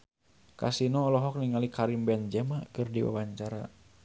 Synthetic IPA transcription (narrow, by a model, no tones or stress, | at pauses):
ka̰sinɔːlɔɦɔk̚niŋalikaɾimbɛnd͡ʒɛmakɨrdiwa̰waɲt͡ʃaɾa̰